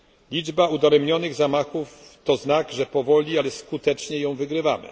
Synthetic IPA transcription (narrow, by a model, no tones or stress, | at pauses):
lʲid͡ʐbaud̪aɾɛmɲɔnɘɣzamaxuft̪ɔznaɡʐɛpɔvɔlʲialɛskut̪ɛt͡ʂɲɛjɔ̃w̃vɘɡɾɘvamɘ̰